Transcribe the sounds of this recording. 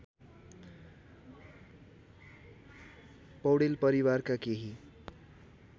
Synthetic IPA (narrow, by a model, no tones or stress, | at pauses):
pʌwɽelpʌɾiwaɾkakeɦi